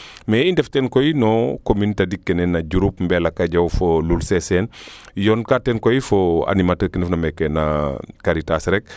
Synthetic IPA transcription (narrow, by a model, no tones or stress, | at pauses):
mɛindɛftɛnkojinɔkomintadikːɛnɛnːaɟuɾupmbɛlakaɟawfolulsɛsɛn | jɔnkatɛnkoifoa̰nimatəɾkindɛfnamɛkɛnakaɾitasɾɛk̚